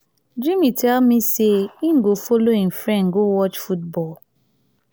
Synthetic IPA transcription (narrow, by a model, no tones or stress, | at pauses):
d͡ʒɾimitʰɛlmĩseiŋ̩ɡofoloin̩fɾɛ̃n̩ɡowɔt͡ʃfutbɔl